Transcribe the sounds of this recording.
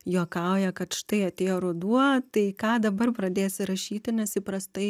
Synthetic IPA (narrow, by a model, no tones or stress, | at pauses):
juɔkɐʊjɛkɐt̪ʃt̪ɐɪɐt̪ʲeːjoːɾʊd̪uɔt̪ɐɪkɑːd̪ɐbɐrpɾɐd̪ʲeːsʲɪɾɐʃʲiːt̪ʲɪnʲɛsʲipɾɐst̪ɐɪ